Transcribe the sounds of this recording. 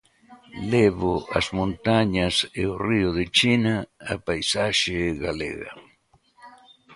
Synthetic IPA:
leβʊa̰zmõnt̪aɲaseʊriʊðet͡ʃinaːpajsaʃeɣalḛɣa̰

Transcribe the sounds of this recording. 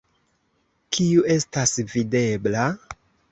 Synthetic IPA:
kʰiue̞stasvide̞bla

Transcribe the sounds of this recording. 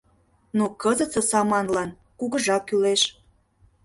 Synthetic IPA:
nukəzət͡sə̆sɑmɑnlɑn | kuɣəʒɑkːyleʃ

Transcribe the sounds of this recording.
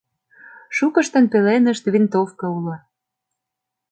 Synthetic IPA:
ʃukɤ̆ʃt̪ə̆npelenə̆ʃt̪βint̪ofkɤ̆ulɑ

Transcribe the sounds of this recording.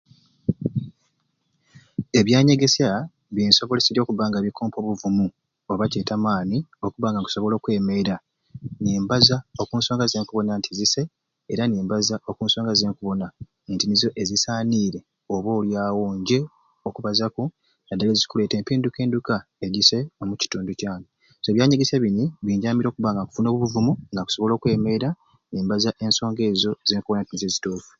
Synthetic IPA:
e̞βjaːɲe̞ɡe̞sa | βjiːnso̞βo̞lesiɾjokuβaːŋɡaβikʰoːmpo̞βuvumu | oβaceːtamaːnio̞kuβaːŋɡaŋku̥so̞βo̞lo̞ːkwe̞ːmeɾa | neːmbazao̞kuːnsoːŋɡazeːŋkuβo̞nantʰizise | eɾaneːmbazaʔo̞kuːnso̞ːŋɡazeːŋkuβo̞na | ntinizo̞ʔe̞zisaːniːɾe̞ | oβo̞ːljaːwoːɲɟe̞ | okuβazaku | ŋɡadalezi̥kule̞ːte̞ːmpeːnduke̞ːnduka | eɟise̞o̞muci̥tuːnducaːni | soeːβjaːɲiɡiseβiniβiːɲɟaːmiɾo̞ːkuβaːŋɡaku̥funo̞ːβuβuvumuŋɡaku̥so̞βo̞lo̞ːkwe̞ːme̞ɾa | neːmbazaʔe̞nso̞ːŋɡe̞ːzo̞zeːŋkuβnantinizezituːfu̥

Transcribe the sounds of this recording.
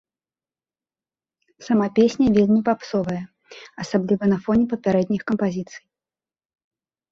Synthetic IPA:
sɐmapʲesʲnʲɐvʲelʲnʲipapsɔvɐjɐ | ɐsablʲivɐnɐfɔnʲɛpɐpʲaɾɛd̪ʲnʲixkɐmpazʲit̪sɨ̥j

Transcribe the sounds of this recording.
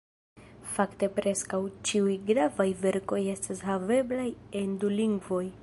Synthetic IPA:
fakte̞pɾe̞skawt͡ʃiujɡɾavajve̞ɾko̞je̞stashave̞blaje̞nduliŋɡvo̞j

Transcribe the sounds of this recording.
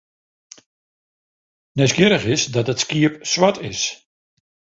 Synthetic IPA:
nɛskjɪɾəχɪsdɔtətskiəpsʋatʰɪs

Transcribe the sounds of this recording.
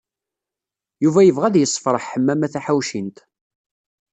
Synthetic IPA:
juvæjəvʁæðjəsˤːfɾˤəħħəmːæmæθæħawʃint̪

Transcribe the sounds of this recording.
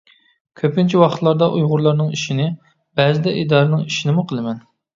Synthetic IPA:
kʲʰøpint͡ʃʰiwɑχə̥t̪lˠɑɾd̪ɑʔujʁʊɾlˠɑɾnɨŋiʃinɪ | b̥ɛzɪd̪ɛid̪ɑɾɨnɨŋiʃinɪmuqʰəlˠɨmɛn

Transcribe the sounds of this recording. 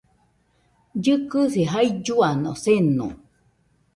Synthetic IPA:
d͡ʒɨkɨsiɦaid͡ʒuano̰senṵ̃

